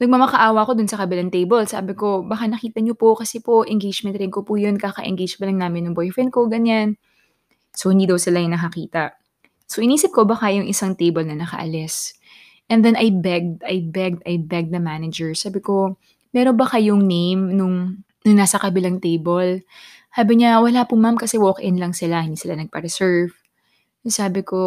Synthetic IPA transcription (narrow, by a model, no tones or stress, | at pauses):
nɐɡ̚mɐmɐkɐʔaːwɐko̞d̪ʊnsɐkɐbɪlaŋt̪ejbɐlsa̰ːbɪko̞bɐkanɐkiːt̪ɐɲopo̞kɐsɛpoʔɛŋɡejd͡ʒmɛ̃nt̪ɾɪŋkopuːjonkaːkɐ̰ʔɛ̰ŋɡejd͡ʒpɐlɐŋnaːmɪnːʊŋbojfɹɛnkoɡɐɲan | sohɪnd̪iːd̪ɐwsɪlajʊŋnɐkɐkiːt̪ɐʔ | soʔɪniːsɪp̚ko̞bakajʊŋʔɪsaŋt̪ejbɐlnɐnɐkɐ̰ʔɐ̰lɛs | ʔɛnd̪ɛnɐjbɛɡ̚d̪ɐjbɛɡ̚d̪ʔɐjbɛɡ̪̚ɐmanɐd͡ʒɛɹsaːbɪko̞ | mɛːɾonbɐkɐjʊŋnejmnʊŋ | nʊŋnaːsɐkɐbɪlaŋt̪ejbol | haːbɐɲawɐlaːpʊmamkɐsɛwoːkʔɪnlɐŋsɪlahɪnd̪iːsɪlanɐɡ̚pɐɾɛsɛɹv | saːbɪko̞